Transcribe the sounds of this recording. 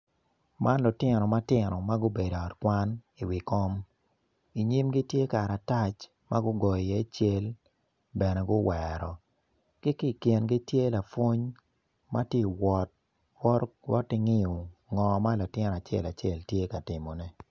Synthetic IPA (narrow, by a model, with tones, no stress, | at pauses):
ma˦nlʊ˨tɪ˦nɔ˨ma˦tɪ˦nɔ˨ma˦ɡʊ˦be˨do˨ɔ˨tkwa˦n | i˨wi˨kɔ˦m | i˨ɲi˦mɡi˦tje˦ka˨ɾa˨ta˦t͡ʃ | ma˦ɡʊ˦ɡɔ˨jjɛ˦t͡ʃe˦l | bɛ˨nɛ˨ɡʊ˦wɛɾɔ˨ | kɪ˦ki˦˨kje˨nɡi˦tje˦la˨fwo˦ɲ | ma˦tje˦˨wɔ˨t̚ | wɔ˦wɔ˦tɪ˦ŋɪ˦o˨ŋɔ˨ma˦la˨tɪ˦n˨a˨t͡ʃɛ̰˦˨la˨t͡ʃe˦˨ltje˦ka˨tɪ˨mɔ˨nɛ˦